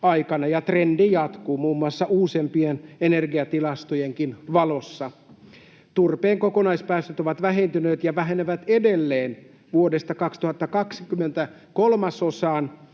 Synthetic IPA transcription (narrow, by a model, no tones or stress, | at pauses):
ɑjkɑnɑjɑt̪rendijɑt̪kuːmuːmːuɑsːɑʔuːsempienenerɡiɑt̪ilɑst̪ojeŋkinʋɑlo̞sːɑ | t̪urpeːŋko̞konɑispæːst̪ːøt̪oʋɑt̪ʋæɦent̪yneːt̪jɑʋæɦeneʋæt̪edelːeːn | ʋuodest̪ɑkɑkst̪uhɑt̪ːɑkɑksi̥kymːent̪æ | kolmɑsosɑːn